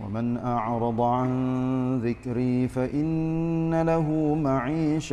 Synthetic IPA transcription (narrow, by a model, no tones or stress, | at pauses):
wa̰mɪnʔɑʕɾˤɑd̪ˤʕanðɪkɾiːfaʔɪnːalaɦʊmaʕiːʃ